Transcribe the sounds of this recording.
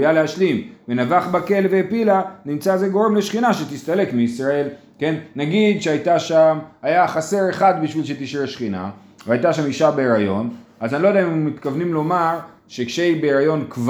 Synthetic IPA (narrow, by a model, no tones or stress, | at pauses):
jaleaʃlimvenavaχbake̞lveːpilanimt͡sazeɡo̞ʁe̞mle̞ʃχinaʃet̪ist̪ale̞kmeisʁae̞l | ke̞nːaɡid̪ʃeajt̪aʃamajaχase̞ʁe̞χad̪biʃvilʃ̬et̪iʃʁeʃχina̰ | veajt̪aʃamiʃabeːʁajo̞̰nazanilo̞jd̪eaimːit̪kavnimlo̞maʁ | ʃe̞kʃe̞ibeːʁajo̞nkv